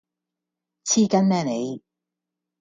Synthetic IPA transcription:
t͡sʰiː˥kɐ˥nmɛː˥ne˨˧j

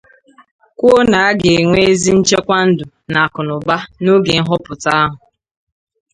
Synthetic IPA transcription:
kʷo˦na˨a˦ɡe˨ŋʷe˦e˦zi˦n̩˦t͡ʃe˦kʷa˦n̩˦dʊ˨ | na˨kʊ˨nʊ˨ba˦no˦ɡe˨˦ɦʊ˦pʊ˨ta˦a˦ɦʊ˨

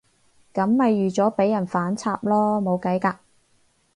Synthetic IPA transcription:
kɐ˨˥mhɐ˨jːyː˨t͡sɔː˨˥pe˨˥jɐ˨˩nfaː˨˥nt͡sʰaː˧p̚lɔː˥mo˨˧wkɐ˨˥jkaː˧

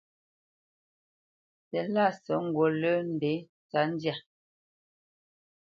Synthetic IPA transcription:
sɛ˨la˦˨sɔ˨˦ŋ̩˨ɡwo˨lə˦n̩˨de˨˦ | t͡sa˨˦n˦dja˨

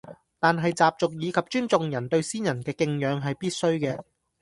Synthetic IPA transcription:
t̪aː˨nɦɐ˨jt͡saː˨p̚t͡sʊ˨k̚jiː˨˧kʰɐ˨p̚t͡ʃyː˥nt͡sʊ˨˧ŋjɐ˨˩nt̪ɵ˧ɥsiː˥njɐ˨˩nkɛː˧kɪ˧ŋjœː˨˧ŋɦɐ˨jpiː˥t̚sɵ˥ɥkɛː˧

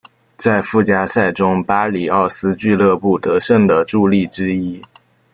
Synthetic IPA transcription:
t͡sa˥˧ɪfu˥˩t͡ɕja˥sa˥˩ɪʈ͡ʂʊ˥ŋpa˥li˨˩ɑ˥˩ʊsɹ̩˥t͡ɕy˥˧lɤ˥˧pu˥˩t̪ɤ˧˥ʂə˥˩ŋd̪ə˩ʈ͡ʂu˥˧li˥˩ʈ͡ʂɻ̩˥i˥

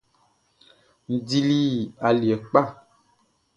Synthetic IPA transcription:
n̩˨di˦li˦˨a˨li˨ɛ˨k͡pa˦˨

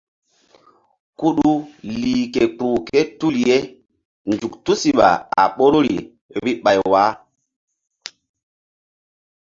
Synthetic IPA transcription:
ku˦ɗu˦liː˨ke˨k͡pɾuː˨ke˦tu˦lje˦ | nd͡ʒu˨ktu˦si˨ɓa̰˨a̰˨ɓo˦ɾɾḭ˨ | ɓi˦ɓa˨jwa˨˦

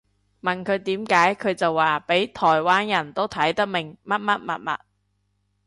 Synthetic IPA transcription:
mɐ˨˩nkʰɵ˨˧ɥt̪iː˨˥mkaː˨˥jkʰɵ˨˧ɥt͡sɐ˨wːaː˨pe˨˥jt̪ʰɔː˨˩jwaː˥njɐ˨˩nt̪o˥wt̪ʰɐ˨˥jt̪ɐ˥k̚mɪ˨˩ŋmɐ˥t̚mɐ˥t̚mɐ̰˨t̚mɐ̰˨t̚

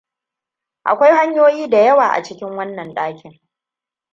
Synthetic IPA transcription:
ʔa̰˨kʷa˦jha˦ɲjoː˦jiː˦da˨jɐ˦waː˨ʔa̰˨t͡ʃɪ˦kʲɪ˦ŋwɐ˦nːɐ˨nɗaː˦kʲʰɪ˨ŋ

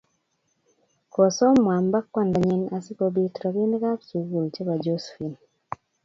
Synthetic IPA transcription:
kɔ˨sɔ˦mwa˨mba˦kwa˦˨nda˨ɲɛ˦na˨sɪ˦ko˨bi˦tɾɔ˨ki˦n˦ka˦psu˨ɡu˨lt͡ʃe˦ba˨d͡ʒo˦sfi˨n

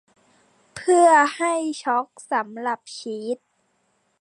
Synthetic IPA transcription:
pʰɯ˥˩ɐha˥˩jt͡ɕʰɔ˦˥k̚sa˩˦mla˨˩p̚ɕʰiː˦˥t̪̚

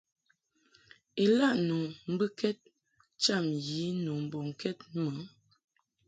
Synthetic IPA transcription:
i˨la˦˨ʔnu˨m̩˦bɨ˦kɛ˦t̚ | t͡ʃa˦˨mji˨˦nu˨m̩˨bɔ˨ŋ̩˨kɛ˦t̚mə˨˦

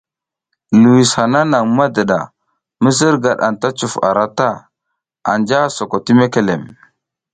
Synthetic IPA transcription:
lu˨wi˨sha˨na˦na˨ŋma˦da˨ɗa̰˨ | mə˦z̬ə˦ɾɡa˨ɗa̰˨nta˦t͡ʃu˨fa̰˨ɾa˦ta˦ | a̰˨nd͡ʒa˦so˨ko˨ti˦me˦ke˨le˨m

